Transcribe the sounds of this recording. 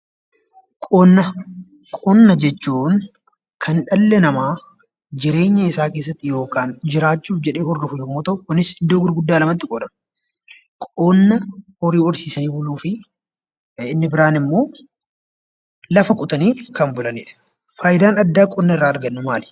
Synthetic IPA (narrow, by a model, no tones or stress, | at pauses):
kʼɔnːɐ | kʼɔnːɐd͡ʒɛt͡ʃːuːn | kʰɐnᶑɐlːɛnɐmaː | d͡ʒɪɾe̞ːɲːɐɪsaːke̞ːsːɐt̪ːɪjo̞ːkaːnd͡ʒɪɾaːt͡ʃːuːfd͡ʒɛᶑeːhɔrːʊfʊjoːmːoːt̪ɐʔʊkʊnːɪsɪnd̪oːɡʊɾɡʊd̪ːaːlɐmɐt̪ːɪkʼɔᶑɐn | kʼɔnːɐhɔɾiːɔɾsiːsɐniːbʊluːfɪ | ɪnːɪbɪɾaːnɪmːo̞ː | lɐfɐkʼʊt̪ɐniːkɐmbʊlɐnḭːᶑɐ̥ | faːjɪd̪aːnɐd̪ːaːkʼɔnːɐɪrːaːɐɾɡɐnːʊmaːlɪ̥